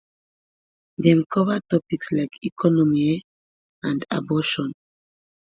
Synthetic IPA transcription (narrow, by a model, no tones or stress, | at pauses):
dɛ̃mkʰɔvətɔpikslaɪkʰikʰɔnɔmi | ãnda̰bɔʃɔ̃n